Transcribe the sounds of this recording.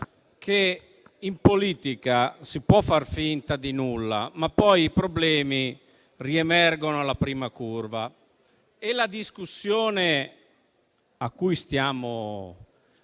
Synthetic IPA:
kʰe | impoliːt̪ikasipwɔfːarfint̪ad̪inulːa̰mapːɔjipɾoblɛːmi | riemɛrɡonoalapɾiːmakurva | elad̪iskusːjoːne | akːujst̪jaːmo

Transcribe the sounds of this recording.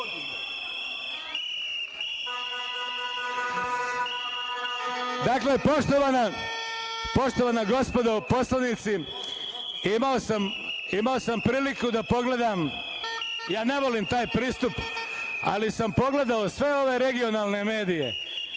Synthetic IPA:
d̪aːkle̞poʃt̪oʋana | po̞ʃt̪o̞ʋaːnaɡo̞spo̞d̪o̞po̞slˠanit̪si | imaosam | imaosampɾiːlikud̪apo̞ɡle̞d̪am | jaːne̞ʋo̞limt̪aːjpɾiːst̪up | a̰lisampo̞ɡle̞d̪aosʋe̞o̞ʋe̞ɾe̞ɡio̞naːlˠne̞me̞ːd̪ije̞̰

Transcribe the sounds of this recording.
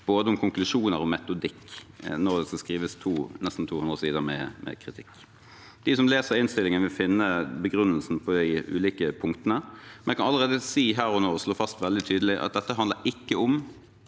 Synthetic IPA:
b̥oːd̪əʊmkʰʊŋklʉʂuːnəɾɔmɛt̪ʊd̪ɪkːnɔʁd̪ɛskɑskʁiːʋəst̪ʰuːnɛst̪n̩t̪ʰuːhʉnd̪ʁəsiːd̪əmɛ̰mʔɛ̰kʰʁɪt̪ʰɪkː | d̪̥ɪsɔmleːsəɾɪnst̪ɪlːɪŋənʋɪlfɪnːəbəɡɾʉnːəlsn̩pʰɔd̪ɪʉ̰ːliːkəpʰʊŋkt̪ənəmɛnkʰɑnɑlːəʁeːd̪əsiːɦæːʁɔnoːsloːfɑst̪ʋɛld̪ɪt̪ʰyːd̪əlɪʔɑ̰t̪̚d̪ɛt̪ːəɦɑnd̪əɾɪkːəʊm

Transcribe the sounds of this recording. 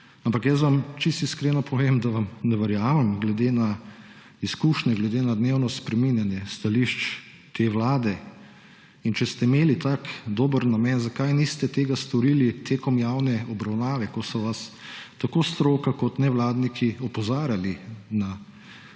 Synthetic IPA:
ampakjɛsʋamt͡ʃist̪iskɾeːnɔpʰɔʋemd̪aʋamnɛʋɐɾjaːmɛmɡlɛd̪ena | iskuːʃnʲɛɡlɛd̪eːnad̪neːwnɔspɾɛminjanjɛst̪aliʃt͡ʃ | t̪ʰeʋlaːd̪ɛ | int͡ʃɛst̪ɛimeːlit̪aːkd̪oːbəɾnamɛnzakajnist̪ɛt̪eːɡast̪ɔɾilit̪ʰeːkɔmjawnɛɔbɾawnaːʋɛkɔsɔʋast̪akoːst̪ɾoːkakɔt̪nɛʋlaːd̪nikʰiɔpɔzaːɾjalina

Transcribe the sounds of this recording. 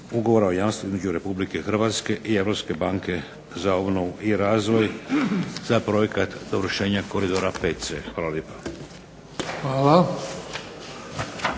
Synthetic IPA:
uɡoʋo̞ɾaojaːmst̪ʋoizmed͡ʑuɾe̞publikexr̩ʋat̪ske̞ʔie̞ʋɾo̞pske̞baːŋke̞ | zao̞bno̞ʋuʔiɾaːzʋo̞j | zapɾo̞je̞kat̪d̪oʋr̩ʃe̞ːɲako̞ɾid̪oɾapet̪t̪se̞xaːlaljepḁ | xʋaːla

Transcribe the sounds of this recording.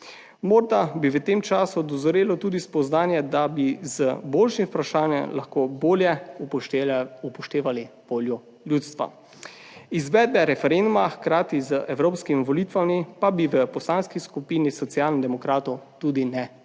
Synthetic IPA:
mɔɾd̪abiʋət̪eːmt͡ʃaːsud̪ɔzɔɾeːlɔt̪uːd̪ispɔznaːnjɛd̪abizəboːlʃimpɾaʃaːnjɛmlaxkoːboːljɛ | upɔʃt̪eːʋaliʋoːljɔ | ljuːt̪st̪ʋa̰ | izʋɛːd̪̚bɛɾɛfɛɾend̪umaxkɾaːt̪izəʔɛwɾoːpskimiʋɔliːt̪ʋamipabiʋəpɔslaːnskiskupiːnisɔt̪sjaːlnd̪ɛmɔkɾaːt̪ɔwt̪uːd̪inɛ

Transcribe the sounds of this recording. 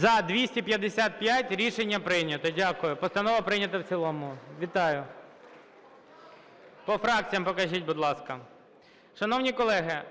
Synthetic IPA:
zɐd̪ʋʲisʲtʲipʲjɐd̪esʲat̪̚pʲjatʲɾʲiʃenʲːɐpɾɪnʲɐt̪ɔdʲakʊjʊpɔst̪ɐnɔʋɐpɾɪnʲɐt̪ɐwt͡sʲilˠɔmʊʋʲit̪ɑjʊ | pɔfɾɑk̚t͡sʲijɐmpɔkɐʒitʲbʊd̪lˠɑskɐ | ʃɐnɔwnʲikɔlˠɛɦɪ

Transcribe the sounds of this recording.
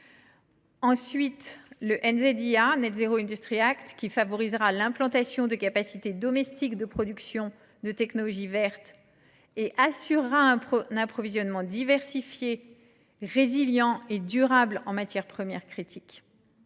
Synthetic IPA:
ɑ̃sɥit̪ləʔɛnzed̪eanɛt̪zeʁoɛ̃d̪yst̪χiakt̪kʲifavɔʁizʁalɛ̃plɑ̃t̪asjɔ̃d̪əkapasit̪ed̪ɔmɛst̪ikd̪əpχɔd̪yksjɔ̃ | d̪ət̪ɛknɔlɔʒivɛʁt̪ | eʔasyʁːaɛ̃napχɔvizjɔnmɑ̃d̪ivɛʁsifje | ʁeziljɑ̃ed̪yʁablɑ̰̃mat̪jɛʁpχəmjɛʁkχit̪ʰik

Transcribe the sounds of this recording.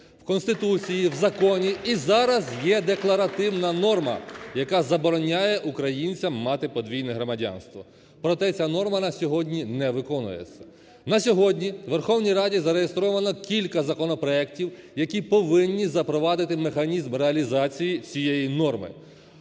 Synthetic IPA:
wkɔnst̪ɪt̪ut͡sʲijiwzɐkɔnʲiizɑɾɐzjɛd̪eklˠɐɾɐt̪ɪwnɐnɔrmɐ̰jɐkɑzɐbɔɾɔnʲajɛʔukɾɐjinʲt͡sʲɐmːɑt̪ɪpɔd̪ʋʲijnɛɦɾɔmɐdʲa̰nst̪ʋɔ | pɾɔt̪ɛt͡sʲanɔrmɐnɐsʲɔɦɔdʲnʲinɛʋɪkɔnʊ̰jḛt͡sʲːɐ̥ | nɐsʲɔɦɔdʲnʲiʋerxɔwnʲijɾɑdʲizɐɾejest̪ɾɔʋɐnɔkʲilʲkɐzɐkɔnɔpɾɔɛktʲiwjɐkʲipɔʋɪnʲːizɐpɾɔʋɑd̪ɪt̪ɪmexɐnʲizmɾeɐlʲizɑt͡sʲijit͡sʲijejinɔrmɪ̰

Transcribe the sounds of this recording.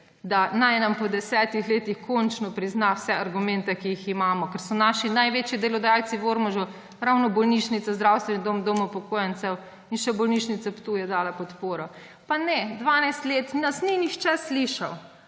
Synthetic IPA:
d̪anajnampɔd̪ɛsɛːt̪ixleːt̪ixkɔnt͡ʃnɔpɾiznawsɛaɾɡumɛnt̪ɛkijiximaːmɔkɛɾsɔnaːʃinajʋeːt͡ʃjid̪elɔd̪ajalt̪siʋoɾmɔʒɔ | ɾawnɔbɔlniʃnit̪sazd̪ɾawst̪ʋɛnid̪omd̪omɔwpɔkoːjant̪sɛw | inʃɛbɔlniːʃnit̪sɛpt̪uːjɛd̪aːlapɔt̪poːɾɔ | panɛd̪ʋaːnajst̪leːt̪asninixt͡ʃɛsliʃaw

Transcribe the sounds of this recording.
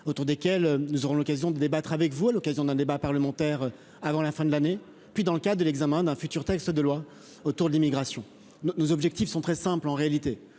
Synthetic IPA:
ot̪uʁd̪ekʲɛlønuzɔʁɔ̃lɔkazjɔ̃d̪əd̪ebat̪χavɛkvualɔkazjɔ̃d̪ɛ̃d̪ebapaʁləmɑ̃t̪ɛʁ | avɑ̃lafɛ̃d̪əlane | pɥid̪ɑ̃ləkad̪d̪əlɛɡzamɛ̃d̪ɛ̃fyt̪yʁt̪ɛkst̪əd̪əlwa | ot̪uʁd̪əlimiɡʁasjɔ̃ | nonozɔbʒɛk̚t̪ifsɔ̃t̪χɛsɛ̃plɑ̃ʁealit̪e

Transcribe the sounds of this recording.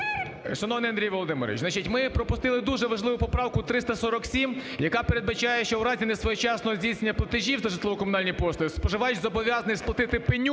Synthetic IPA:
ʃɐnɔʋɐnɛɪɐnd̪ʲɾijʋɔlˠɔd̪ɪmeɾ̰ʲit͡ʃzɐt͡ʃitʲmɪpɾɔpʊst̪ɪlˠɪd̪uʒɛʋɐʒlˠɪʋʊpɔpɾɑwkʊt̪ɾɪst̪ɐsɔɾɔksʲimjɐkɑpeɾe̞d̪̚bɐt͡ʃajɛʃt͡ʃɔwɾɑzʲinɛsʋɔjɛt͡ʃɑsnɔɦɔzʲdʲisʲnnʲːɐplˠɐt̪ɪʒʲiwt̪ɐʒɪt̪lˠɔʋɔkɔmʊnɑlʲnʲijpɔst̪spɔʒɪʋɑjʊtʲzɔbɔʋʲjazɐnɪjsplˠɐt̪ɪt̪ɪpenʲu

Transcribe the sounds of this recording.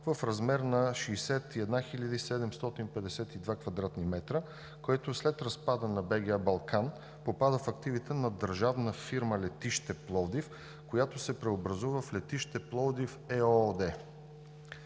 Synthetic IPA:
vəfɾɐzmɛɾnɐʃiːsɛt̪iɛd̪naxiʎʲəd̪isɛd̪ɛmst̪ɔt̪inpɛd̪ɛsɛt̪id̪vakvɐd̪ɾat̪nimɛt̪ɾə | koɛt̪oslɛt̪ɾɐspad̪ənɐbɛɡʲiəbɐlˠkan | popad̪əfɐkt̪ivit̪ɛnɐd̪əɾʒavnəfiɾməlɛt̪iʃt̪ɛplˠɔd̪if | kojat̪osɛpɾɛobɾɐzuvəflɛt̪iʃt̪ɛplˠɔd̪ifɛod̪ɛ

